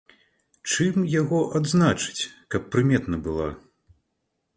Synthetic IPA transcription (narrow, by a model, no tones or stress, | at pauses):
t͡ʂɨmjaɣɔʔad̪znat͡ʂɨ̥t͡sʲkɐpːɾɨmʲɛt̪nɐbɨlˠa̰